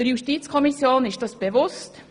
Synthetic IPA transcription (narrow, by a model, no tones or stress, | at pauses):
əɾjuʃtiːt͡skʰɔmɪsjoːnɪʃd̥ɑsb̥eʋʊst